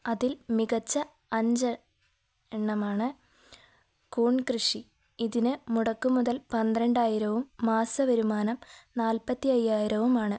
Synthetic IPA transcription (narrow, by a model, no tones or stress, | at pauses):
ɐðilmiɣɐt͡ɕːɐ | ɐɲd͡ʑɐ | eɳːɐmaːɳɨ | kuːɳkrɨʂi | iðinɨmuɽɐkːumuðɐlpɐnd̪rɐɳɖaːjiɾɐʋumːaːsɐʋɐɾumaːnɐmnaːlpɐt̪ːiɐjːaːjiɾɐʋumaːɳɨ